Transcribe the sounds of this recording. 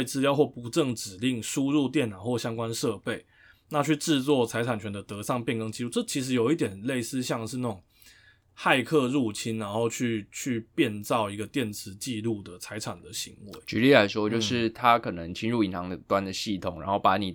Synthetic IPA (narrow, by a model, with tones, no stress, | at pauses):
we˥˩ɪt͡s̩˥˧ljɑ˥ʊxwɔ˥˩pu˧˥ʈ͡ʂɤ˥˩ŋʈ͡ʂɻ̩˨˩li˥˩ŋʂu˥ɻu˥˧t̪̬jɛ˥˩nːɑ˨˩ʊxwɔ˥˩ɕjɑ˥ŋkwa˥nʂɤ˥˧pe˥˩ɪ | na˥˧t͡ɕʰy˥˧ʈ͡ʂɻ̩˥˧t͡swɔ˥˩t͡sʰa˧˥ɪʈ͡ʂʰa˨˩nt͡ɕʰɥɛ˧˦nd̪ə˨t̪ɤ˧˥ʂɑ˥˧ŋpjnkɤ˥ŋt͡ɕi˥˧lu˥˩ʈ͡ʂɤ˥˩t͡ɕʰi˧˥ʂ̬̩˧˥jo˨˩ʊi˥˩t̪̬jɛ˨˩nle˥˩ɪsɹ̩˥˧ɕjɑ˥˧ŋʂɻ̩˥˧na˥˩ʈ͡ʂʊ˨˩ŋ | xa˥˧ɪkʰɤ˥˧ɻu˥˩t͡ɕʰi˦˥nɻa˧˥nxo˥˧ʊt͡ɕʰy˥˧t͡ɕʰy˥˧pjɛ˥˧nt͡sɑ˥˩ʊi˧˥ɡə˧t̪jɛ˥˩nt͡s̩ʰ˧˦t͡ɕi˥˧lu˥˩d̪ə˩t͡sʰa˧˥ɪʈ͡ʂʰa˨˩nd̪ə˩ɕi˧˥ŋwe˧˦ɪt͡ɕy˧˥li˥˩la˧˥ɪʂwɔ˥t͡ɕjo˥˧ʊʂɻ̩˥˩t̪ʰa˦kʰɤ˨˩nə˧˦ŋt͡ɕʰi˥nɻu˥˩i˨˥nt̪ʰɑ˧˥ŋd̪ə˨t̪wa˦nd̪ə˨ɕi˥˩t̪ʰʊ˨˩˦ŋɻa˧˦nxo˥˩ʊpa˧˥ni˨˩